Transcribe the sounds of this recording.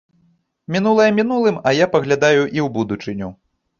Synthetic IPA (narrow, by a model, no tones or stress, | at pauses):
mʲinulˠɐjɛmʲinulˠɨmɐjapɐɣlʲad̪ajuʔiwbud̪ut͡ʂɨnʲu